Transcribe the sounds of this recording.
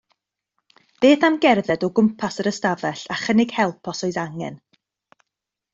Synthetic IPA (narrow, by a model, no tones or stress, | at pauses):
b̥eːθamɡɛrðɛdɔɡʊmpʰasəɾəstavɛɬaχənɪɡ̥hɛlˠpʰɔsɔɨðaŋɛ̰n